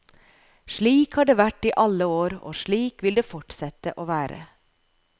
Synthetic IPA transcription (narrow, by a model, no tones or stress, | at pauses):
ʃɭiːkhɑɖeːʋæʈiːʔɑləoːɾo̰ːʃɭiːkʋɪld̪eːfɔʈsɛt̪ə̰ʔoːʋæːɾʔə̰